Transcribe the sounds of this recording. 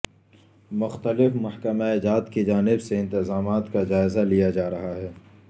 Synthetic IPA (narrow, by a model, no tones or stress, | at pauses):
mʊxt̪əlɪfmɐhkəmaed͡ʒaːt̪kid͡ʒaːnɪbseɪ̃nt̪ɪzaːmaːt̪kad͡ʒaːɪzalijad͡ʒaːɾɐɦaɦɛː